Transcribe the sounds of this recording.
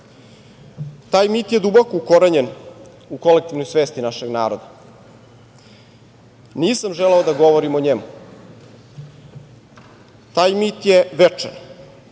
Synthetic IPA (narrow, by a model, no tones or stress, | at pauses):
t̪aːjmiːt̪jed̪ubokoukoɾaɲen | uko̞lek̚t̪ivno̞jsʋeːst̪inaʃeɡnaːɾod̪a | niːsamʒeleod̪aɡo̞ʋoɾimoɲemu | t̪aːjmit̪jeʋet͡ʂḛn